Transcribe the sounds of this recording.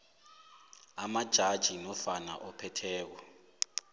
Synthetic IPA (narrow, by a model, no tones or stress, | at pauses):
amad̥ʒ̥ʱad̥ʒ̥ʱinɔfana̰ʔɔpʰɛtʰɛːk̬ɔ